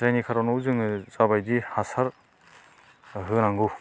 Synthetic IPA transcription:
zajnikʰaɾanowzɯŋzabajdihasaɾ | ɦɯnaŋɡɯ

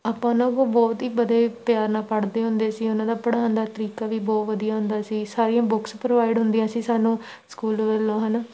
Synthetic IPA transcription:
aːpãːnõːkoːbɔːt̪ɦiːbəd̪eːpjaːɾnãːpəɽd̪eːɦʊnd̪eːsiːʊnãːd̪aːpəɽaːnd̪aːt̪əɾiːkaːʋiːbɔːt̪ʋəd̪ijaːɦʊ̃nd̪aːsiːsaːɾijãːbʊkspɾoːʋaːɪɖɦʊnd̪ɪjãːsiːsaːnũː | skuːlʋɛlːõːɦən

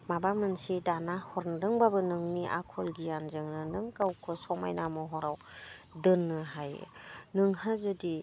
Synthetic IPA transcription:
mabamɯnsidanahɔɾndɯŋbabɯnɯŋniʔa̰kʰɔlɡijanzɯŋnɯnɯŋkawkʰɯsɔma̰jnamɔɦɔɾawdɯnːɯɦaj̰nɯŋhazɯdi

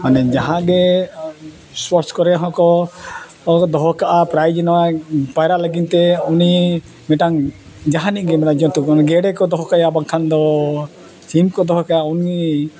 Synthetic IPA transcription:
manɛd͡ʒaɦãɡɛ | swɔɾskɔɾɛɦɔ̃kɔ | d̪ɔɦɔkaʔapɾajd͡ʒɔnapajɾaʔləɡint̪ɛuni | mɛʈaŋ | d͡ʒaɦaniʔɡɛmɛɾad͡ʒɔ̃t̪ukɔnɡɛɽɛkɔd̪ɔɦɔkajabaŋkʰand̪ɔ | t͡ʃimkɔd̪ɔɦɔkajauni

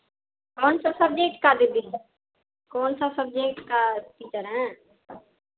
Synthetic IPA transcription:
kɔːnsəbsɐb̚d͡ʒeːʈkad̪id̪iː | kɔːnsəbsəb̚d͡ʒeːkʈkapit͡ʃəɾɦɛ̃ː

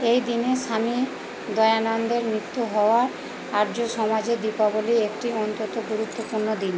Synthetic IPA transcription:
ejd̪ineʃami | d̪ɔeanand̪eɾmɾit̪ːuɦɔoaɾ | aɾd͡ʑoʃɔmad͡ʑed̪ipaboliek̚ʈiɔnt̪ot̪oɡuɾut̪ːopuɾnod̪in

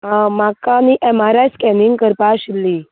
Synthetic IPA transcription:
ɦãmakaniʔɛmaɾajskɛniŋɡkəɾpaɕilːi

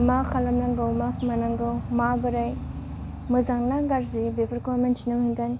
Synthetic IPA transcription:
makʰalamlaŋɡawmakʰmanaŋɡawmabɯɾaj | mɯzaŋnaɡaɾzibepʰaɾkamentinawhiŋɡan

